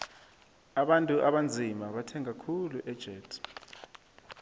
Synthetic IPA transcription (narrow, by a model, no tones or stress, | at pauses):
aɓantʼuʔaɓand͡zʱimaɓatʰɛŋakʰuluʔɛd̥ʒ̥ʱɛːtʰʼ